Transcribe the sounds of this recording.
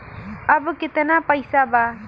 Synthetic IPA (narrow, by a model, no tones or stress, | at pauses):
əbkɪt̪napəjsaba